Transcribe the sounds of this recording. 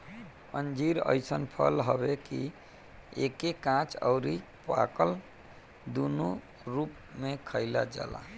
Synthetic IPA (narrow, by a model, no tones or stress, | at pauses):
ənd͡ʒiɾə̰jsənpʰəlɦəbeki | ekekãt͡ʃə̰ʊɾi | pa̰kəl | d̪unu | ɾup | mekʰəɪla̰d͡ʒa̰la̰